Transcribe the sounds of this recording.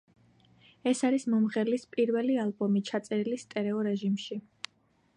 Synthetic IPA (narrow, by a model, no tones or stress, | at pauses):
ɛsaɾismɔmʁɛlispʼiɾvɛlialˠbɔmit͡ʃʰat̪sʼɛɾilist̪ʼɛɾɛɔɾɛʒimʃi